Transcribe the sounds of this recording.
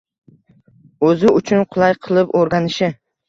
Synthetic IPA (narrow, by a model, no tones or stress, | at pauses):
ɵzɪʊt͡ʃʰʊnqʰʊlˠajqʰɨlˠɪpoɾɡʲanɪʃɪ